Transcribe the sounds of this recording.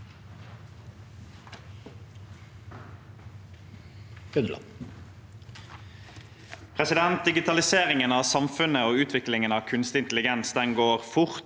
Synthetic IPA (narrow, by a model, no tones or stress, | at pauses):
ʉnlɑ̰ | pʰʁɛsɪd̪ɛnt̪̚d̪ɪɡɪt̪ʰɑlɪseːʁɪŋənɑːʋsɑmfʉnəoːʉːt̪ʰʋɪklɪŋənɑːʋkʰʉnst̪ɪnt̪lɪɡɛnsd̪ɛŋɡoːʁfʊʁ